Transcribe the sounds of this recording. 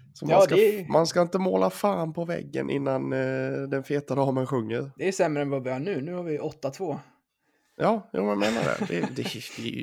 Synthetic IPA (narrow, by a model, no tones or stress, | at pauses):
sɔmːkmanskaɪnt̪əmoːlafaːnpʰɔvɛ̰ɡːə̰nʔɪ̰nːand̪ɛnfeːt̪ad̪ɑːmənɧɵŋːəɾd̪ɛæsɛmːɾəɛnvavɪhɑːɳʉ̟ːnʉ̟ːhaɾvɪʔɔt̪ːat̪ʰvoː | jɑːjṵːmɛnjameːna̰dɛ̰d̪ɛd̪ɛɛj̰